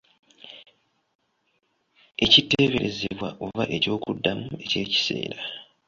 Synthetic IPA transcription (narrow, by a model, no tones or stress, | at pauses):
e̞citːeːβe̞ɾe̞zeβwaʔovaʔe̞co̞ːkudːamue̞ce̞ːci̥se̞̰ːɾa